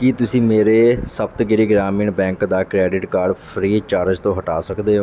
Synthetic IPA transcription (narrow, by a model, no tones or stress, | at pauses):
kɪt̪ʊsĩːmeːɾeːsəbt̪ɡɪɾiːɡɾaːmiːɳbɛ̃ːŋkd̪aːkɾɛːɖɪʈkaːɾɖpʰɾiːt͡ʃaːɾəd͡ʒt̪õːɦəʈa̰ːsəkd̪eːɦo